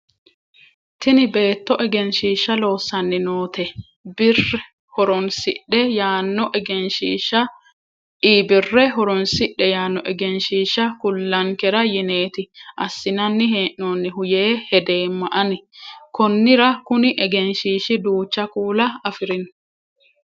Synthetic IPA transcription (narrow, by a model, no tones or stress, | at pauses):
t̪ɪnɪbe̞ːt̪ːɔʔɛɡɛnʃiːʃːɐlo̞ːsːɐnːɪnoːt̪ɛ | bɪrɛ | hɔɾɔnsɪɗːɛjaːnːɔʔɛɡɛnʃiːʃɐ | iːbɪrːɛɦɔɾɔnsɪʔːɛjaːnːɔʔɛɡɛnʃiːʃɐkʊlːɐŋkɛɾɐjɪne̞ːt̪ɪʔɐ̰sːɪnɐnːɪɦeːʔnoːnːɪhʊjeːhɛd̪e̞ːmːɐʔɐnɪkɔnːɪɾɐkʊnɪʔɛɡɛnʃiːʃɪd̪uːt͡ʃːɐkuːlɐɐfɪɾɪn